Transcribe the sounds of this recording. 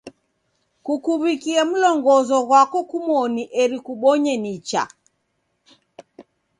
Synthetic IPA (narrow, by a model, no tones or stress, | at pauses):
kukuβikiɛm̩lɔŋɡɔzɔɣwakɔkumɔniʔɛɾikuɓɔɲɛnit͡ʃa̰